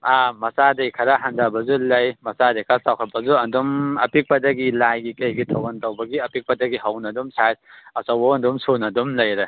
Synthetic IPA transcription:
amɐsadejkʰɐɾaɦandabɐzulɐjmɐsadejkʰasawkʰɐt̚pɐzuɐndumɐpik̚pɐdɐɡilajɡikɐjɡitʰɐwɐntɐwbɐɡiɐpik̚pɐdɐɡiɦɐwnɐdumsajsɐsɐwbɐɐndumsonɐdumlɐjɾe

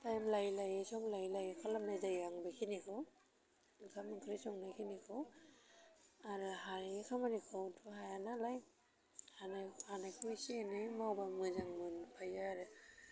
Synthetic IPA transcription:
tajmlajlajesɔŋlajlajekʰalamnajzajaŋbajkʰinikʰɯw | nɯkʰamɯŋkʰɯɾisɔŋnajkʰinikʰɯw | aɾɯhanekʰamanikʰɔwtʰuɦajanalaj | hanajhanajkʰujsienemawbamɯzaŋmɯnpʰajaːɾɯ

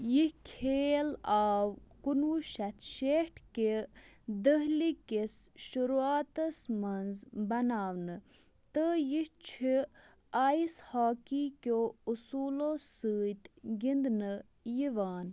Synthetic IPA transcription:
jihkʰeːlaːwkunuːʃɐt̪ʰʃeʈʰke | d̪əɦlikesʃuɾuaːt̪ɐsmɐnzbɐnaːwnɨ | t̪əjiht͡ʃʰi | aːishaːkikʲoːusuːloːsɨːt̪ɡind̪nɨ | jiʋaːn

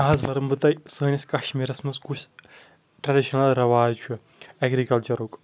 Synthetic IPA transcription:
ãːzʋɐɾɐmbɨt̪ɐjsɐːnʲɐskɐʃmiɾɐsmɐskuʃ | ʈɾɐɖiʃɐnɐlɾɐʋaːzt͡ʃʰue | eɡɾikɐlt͡ʃɐɾuk

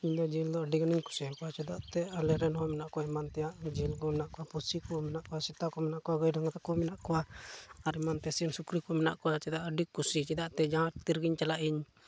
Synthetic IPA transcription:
iɲad͡ʒild̪ɔaɖiɡaniɲku̥sikɔwat͡ʃɛd̪aʔt̪ɛalɛɾɛnhɔmɛnaʔkɔaimant̪ɛjaʔd͡ʒilɡɔmɛnaʔkɔwapusikɔmɛnaʔkɔwasit̪akɔmɛnaʔkɔaɡɔjdaŋat̪akɔmɛnaʔkɔwaaɾimant̪ɛsinsukɾikɔmɛna̰ʔkɔwat͡ʃɛd̪aʔaɖikusit͡ʃɛd̪aʔt̪ɛd͡ʒaŋat̪t̪iɾɡiɲt͡ʃalaʔiɲ

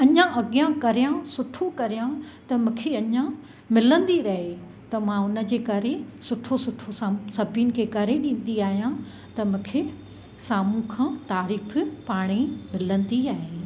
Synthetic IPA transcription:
ɐɲãʔɐɠijãkɐɾijãsʊʈʰokɐɾijã | t̪ɐmũːkʰeɐɲã | mɪlə̃nd̪iɾɐɦe | t̪ɐmãʊnə̆d͡ʑeːkɐɾesʊʈʰosʊʈʰossɐbʱinɪ̆kʰeːkɐɾeɗĩːn̆d̪iaːɦijã | t̪ɐmʊ̃ːkʰe | saːmũkʰãːt̪aːɾiːfpaːɽ̃imɪlə̃nd̪iaːɦeː

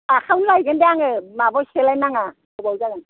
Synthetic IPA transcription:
akʰawnlajɡɯndejaŋɯmabɔselajnaŋa | abawzaɡan

